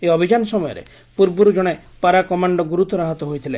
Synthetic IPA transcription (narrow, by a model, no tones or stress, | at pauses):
eɔbʱid͡ʒanɔsɔmɔjɔ̰ɾḛ | puɾbuɾud͡ʒɔɽ̃e | paɾakɔmaɳɖɔɡuɾut̪ɔɾaɦɔt̪ɔɦojt̪ʰile